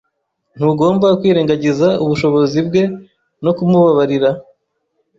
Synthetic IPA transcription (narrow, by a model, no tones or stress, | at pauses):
n̥huɡo̞ːmbakwiːɾeːŋɡaɟizauβuʃo̞βo̞zib̚ɡe̞ | no̞kumuβaβaɾiɾa